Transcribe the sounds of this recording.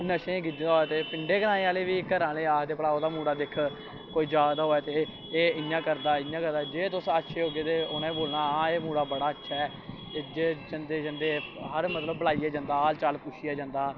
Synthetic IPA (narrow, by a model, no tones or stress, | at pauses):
nəʃẽːɡɪd̪aːɦoːɛːt̪eːpɪɳɖeːɡənãːneːaːleːʋiːkːəɾãːleːaːkʰd̪eːpəɽaːoːd̪aːmũːɽaːd̪ɪkʰ | koːiːd͡ʒaːd̪aːɦoːɛːt̪eː | ɪjãːkəɾd̪aːɪjãːkəɾd̪aːd͡ʒeːt̪ʊsətːʃʰeːɦoːɡeːt̪eːoːnãːboːlnaːãːeːmũːɽaːbəɽaːətːʃʰaːɛː | eːd͡ʒeːd͡ʒənd̪eːd͡ʒənd̪eːɦəɾmət̪ləbːəlaːiːaːd͡ʒãːnd̪aːaːlt͡ʃaːlpʊʃiːjaːd͡ʒãːnd̪aː